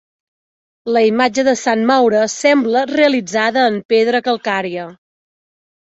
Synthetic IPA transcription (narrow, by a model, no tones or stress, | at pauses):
ləimad͡ʒəðəsanmawɾəsɛmbləreəlid͡zaðəːmpeðɾəkəlˠkaɾiə